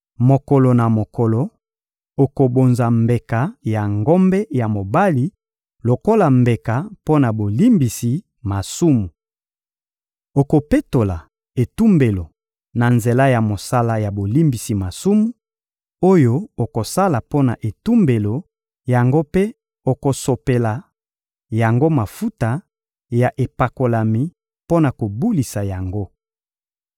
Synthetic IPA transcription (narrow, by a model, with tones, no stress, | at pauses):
mo˨ko˨lo˨na˨mo˨kɔ˨lo˨ | o˨ko˨bo˨nza˨mbe˨ka˨ja˨ŋɡo˦mbɛ˦ja˨mo˨ba˦li˨ | lo˨ko˦la˨mbe˨ka˨po˦na˨bo˨li˦mbi˨si˨ | ma˨su˦mu˨ | o˨ko˨pe˦to˨la˨ | e˨tu˦mbe˨lo˨ | na˨nze˨la˦ja˨mo˨sa˦la˦ja˨bo˨li˦mbi˨si˨ma˨su˦mu˨ | o˦jo˦o˨ko˨sa˦la˨po˦na˨ʔe˨tu˦mbe˨lo˨ | ja˨ŋɡo˦pe˦ | o˨ko˨so˨pe˨la˨ | ja˨ŋɡo˦ma˨fu˦ta˨ | ja˨ʔe˨pa˨ko˨la˨mi˨ | po˦na˨ko˨bu˦li˨sa˨ja˨ŋɡo˦